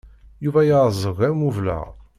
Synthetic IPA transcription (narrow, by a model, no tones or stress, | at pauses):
juvæjazˤəʁæmuvlə̰ʁ